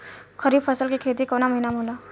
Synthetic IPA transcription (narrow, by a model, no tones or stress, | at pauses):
xəɾiːbpʰɐsəlkikʰeːt̪̬ikoːnamɐɦinamoːlaː